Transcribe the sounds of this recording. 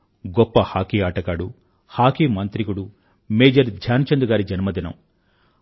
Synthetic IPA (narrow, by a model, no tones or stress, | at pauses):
ɡɔpːɐhaːkiːaːʈɐkaːɽu | haːkiːmɐnt̪ɾikuɽu | meːd͡ʒɐɾd̪ʱjaːnt͡ʃɐnd̪uɡaːɾid͡ʒɐnmɐd̪inɐ̰m